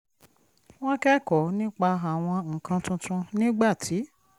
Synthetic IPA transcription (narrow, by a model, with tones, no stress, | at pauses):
w̃ɔ̃˦kɛ˦˨kɔ˨˦nĩ˦k͡pa˧a˨w̃ɔ̃˧ŋ̩˨kã˧tũ˧tũ˧nĩ˦ɡ͡ba˦˨tʰi˨˦